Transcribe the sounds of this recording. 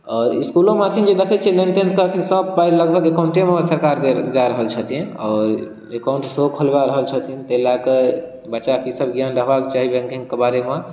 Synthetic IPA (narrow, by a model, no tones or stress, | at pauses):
ɔːɾḭskulõmakʰind͡ʒed̪ekʰɛt͡ʃʰenent̪ə̃nt̪̚kekʰinsəbpaiɾləɡbʱəɡekaʊɳʈemesəɾkaɾed͡ʒaɾəɦəlt͡ʃʰət̪ĩɔːɾ | ekaʊũɳʈsokʰəlbaɾəɦəlt͡ʃʰət̪int̪eɦilake | bətːʃakisəbɡjanɾəɦbakt͡ʃaɦibẽŋkʰeŋkebaɾeme